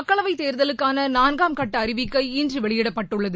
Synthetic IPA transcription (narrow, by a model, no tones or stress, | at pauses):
ɐkːɐɭɐʋɐɪt̪ːeːɾðɐlɯkːaːnɐnaːnɡaːmkɐʈːɐːɾɪʋɪkːɐɪɪndrɯʋɛɭɪjɪɽɐpːɐʈːɯɭːɐðɯ